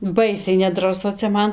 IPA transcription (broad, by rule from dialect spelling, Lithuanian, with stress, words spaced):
ˈbɐɪsʲɛɪ nʲɛdrɐˈsʊ t͡sʲɛ ˈmɐn